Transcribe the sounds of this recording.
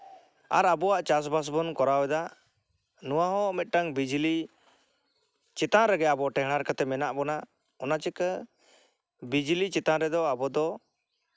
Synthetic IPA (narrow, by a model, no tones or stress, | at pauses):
aɾabɔwaʔt͡ʃas̬bas̬bɔnkɔɾawɛd̪a | nuwaɦɔ̃mɛt̪̚ʈaŋbid͡ʒli | t͡ʃɛt̪ãɾɛɡɛabɔʈɛɦɽ̃aɾkat̪ɛmɛnaʔbɔna | ɔnat͡ʃɛkə | bid͡ʒlit͡ʃɛt̪aɾɛd̪ɔabɔd̪ɔ